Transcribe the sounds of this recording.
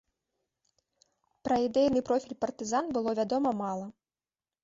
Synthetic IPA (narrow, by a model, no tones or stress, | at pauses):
pɾɐid̪ɛjnɨpɾɔfʲilʲpɐrt̪ɨzanbɨlˠɔvʲad̪ɔmɐmalˠɐ